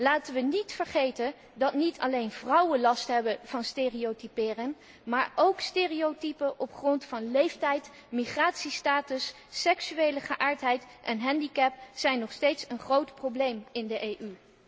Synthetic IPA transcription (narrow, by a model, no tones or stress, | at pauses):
laːtənʋənitfəɹχejtən | dɑtnitʰɑ̰lejnv̥rʌwənlɑstɦɛbəv̥ɑnsteːriotipɪːrɪŋ | maːɹowksteːriowtipəʔɔpχrɔntfɑnlejftɛjt | miχraːtsistaːtəsː | ɛksyejləχəʔaːɹtɦɛjt | ʔɛnɦɛndikɛpsɛjnːɔχstejtsənχrowtprowblejmɪndəʔejʔy